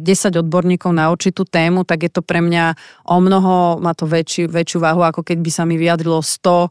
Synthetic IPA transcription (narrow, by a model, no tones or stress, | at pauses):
ɟɛsaɟɔd̪̚bɔɾɲiːkɔʊnauɾt͡ʃit̪uːt̪ɛːmut̪aɡjɛt̪ɔpɾɛmɲaʔɔmnɔɦɔmaːt̪ɔʋɛt͡ʃuʋɛt͡ʃjuʋaːɦuakɔkɛɟbisamiʋiad̪ɾilɔst̪ɔ